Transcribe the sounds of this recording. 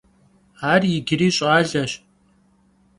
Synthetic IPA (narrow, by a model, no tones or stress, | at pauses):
aːrjɪɡɪɾiːɕʼaːɮɐɕ